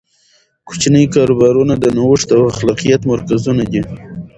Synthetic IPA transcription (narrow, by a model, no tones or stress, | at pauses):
kʊ̥t͡ʃnəjkɑɾobɑɾunad̪ənawəʂt̪awaxlɑqijat̪maɾkazunad̪i